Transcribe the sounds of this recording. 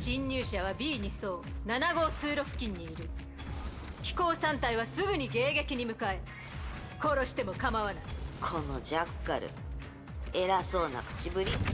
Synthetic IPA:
ɕĩɲːɨːɕaβ̞abʲiːɲ̟iso̞ːnanaɡo̞ːt͡sɨːɾo̞ɸɯ̟̥kʲĩɲ̟ːiːɾɯ̟ | kʲi̥ko̞ːsãnt̪aiβ̞asɨɡɯ̟ɲ̟iɡe̞ːɡe̞kʲiɲ̟imɯ̟kae | ko̞ɾo̞ɕi̥t̪e̞mo̞kamaβanaikʰo̞no̞d͡ʑakːaɾɯ̟̰ | e̞ɾaso̞ːna̰kɯ̟̥t͡ɕibɯ̟ɾʲi

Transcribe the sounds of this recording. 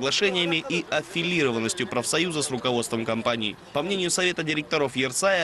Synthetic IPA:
ɡlˠɐʂɛnʲɪjəmʲɪʔiɐfʲɪlʲiɾəvənːəsʲtʲjʊpɾəfsɐjuzəsrʊkɐvo̞t̪st̪vəmkɐmpanʲɪ̰ː | pɐmnʲenʲɪjʊsɐvʲe̞t̪ədʲɪɾʲɪk̚t̪ɐɾo̞fjɪrt̪sajə

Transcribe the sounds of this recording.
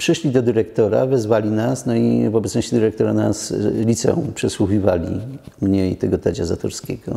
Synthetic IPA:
pʂɘʂlʲid̪ɔd̪ɘɾɛkt̪ɔɾa̰vɛzvalʲinasnɔivɔbɛt̪sɔɕt͡ɕɛd̪ɘɾɛkt̪ɔɾanaslʲit̪sɛ̰ṵ̃pʂɛswuxʲivalʲḭmɲejt̪ɛɡɔt̪ad͡ʑazat̪ɔɾskʲeɡɔ̰

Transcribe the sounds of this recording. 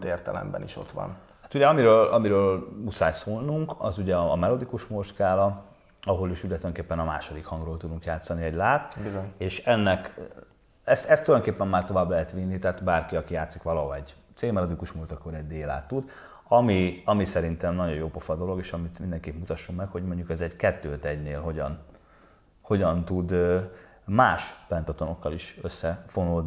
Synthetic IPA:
t̪eːrt̪ɛlɛ̰mbɛ̰nḭʃo̞̰t̪ʋɒ̰n | at̪uɟɛɒmiɾøːlɒmiɾøːlusaːjsoːlnuŋkɒ̰zuɟɛɒːmɛlo̞d̪ikuʃmorʃkaːlɒ | ɒɦo̞liʃyɟɛt̪ːjd̪oŋkeːpːɛnɒmaːʃo̞d̪ikhɒŋɡroːlt̪ud̪uŋkjaːt̪sɒniɛɟlaːt̪bizoɲeːʃɛnːɛk | ɛst̪ɛst̪ːuljd̪oŋkeːpːɛmːaːrt̪o̞vaːblɛɦɛt̪ʋinːit̪ɛɦaːt̪baːrkiɒkijaːt̪sikʋɒlɒɦoɛɟt̪seːmɛlod̪ikuʃmult̪ɒkːoɾɛɟd̪eːla̰ːt̪ːud̪ | ɒmiɒmisɛɾint̪ɛmnɒɟo̞joːpo̞fɒd̪o̞lo̞ɡeːʃɒmit̪mind̪ɛŋkeːpmut̪ɒʃːo̞mːɛkho̞ɟmo̞ɲɟukɛzɛɟkɛt̪ːøːt̪ɛɟneːlɦo̞ɟɒn | ho̞ɟɒnt̪ud̪ | maːʃpɛnt̪ɒt̪ono̞kːɒliʃøsːɛfo̞noli

